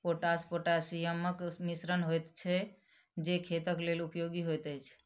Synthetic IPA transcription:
poʈaspoʈasijəməkmisɾənɦojt̪t͡ʃʰɛ | d͡ʒekʰet̪əklelupjoɡiɦojt̪ət͡ʃʰ

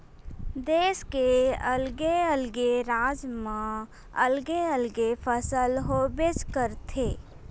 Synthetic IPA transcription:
d̪eːskeəlɡeəlɡeɾaːd͡ʒmã | əlɡeəlɡefʰəsəlɦobeskəɾt̪ʰeː

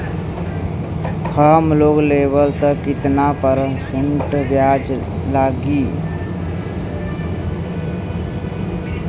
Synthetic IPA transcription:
kʰəmloɡleβəlt̪əkit̪napəɾseɳʈbjad͡ʒ | laɡi

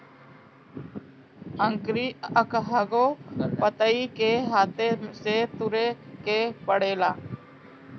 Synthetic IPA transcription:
əŋkɾiːəkɦaɡoːpət̪əiːkeːɦaːt̪eseːt̪ʊɾeːkeːpəɽeːlaː

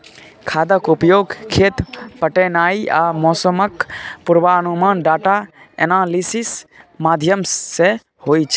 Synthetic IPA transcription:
kʰaːd̪əkʊpjoːɡkʰːeːt̪pəʈeːnaːiʔaːmɔːsəməkpʊɾʋaːnumaːnɖaːʈa | ḛnaːlisismaːd̪ʱjəmːe | hoːit͡ʃʰ

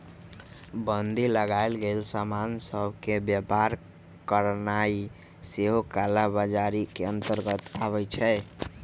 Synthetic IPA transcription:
bənd̪ʱiləɡaɪlɡelsamansəbʱkebjəpaɾ | kəɾnai | seɦokalabad͡ʒaɾikeənt̪əɾɡət̪aβɛt͡ʃʰɛ

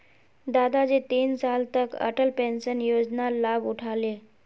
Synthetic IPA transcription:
d̪ad̪ad͡ʑet̪iːnsalt̪əkə̰ʈəlpenɕənjod͡znalabuʈʰale

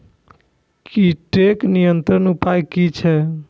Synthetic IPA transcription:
kiʈeknijənt̪ɾənupajkit͡ʃʰɛ

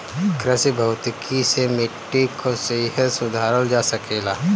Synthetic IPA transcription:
kɾəsibʱɐʊt̪kʰisemɪʈːikʰoseɦəsʊd̪ʱaːɾəld͡ʒaːsəkeːlaː

